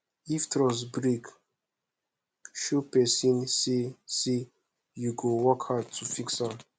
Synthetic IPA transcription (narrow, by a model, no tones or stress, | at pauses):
iftɾɔsbɾik | ʃupesĩnsisi | juɡowɔkhadtʰufiksãm